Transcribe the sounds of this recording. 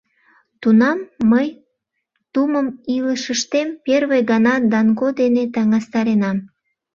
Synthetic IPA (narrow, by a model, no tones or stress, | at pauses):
t̪unɑmːəj | t̪uməmiləʃəʃt̪emperβejɣɑnɑd̪ɑnkod̪enet̪ɑŋɑst̪ɑɾenɑm